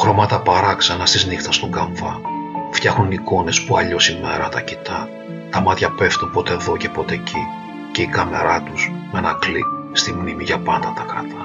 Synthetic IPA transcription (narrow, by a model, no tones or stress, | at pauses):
xɾo̞mɐt̪ɐpɐɾɐksɐnɐst̪iznixt̪ɐst̪o̞ŋɡɐɱvɐft̪çɐxuniko̞ne̞spuɐʎo̞sime̞ɾɐt̪ɐcit̪ɐ | t̪ɐmɐt̪çɐpe̞ft̪unpo̞t̪eðoce̞po̞t̪e̞cʰi | ce̞ikɐme̞ɾɐt̪usmenɐkli | st̪imnimiʝɐpɐnd̪ɐt̪ɐkɾɐt̪ɐ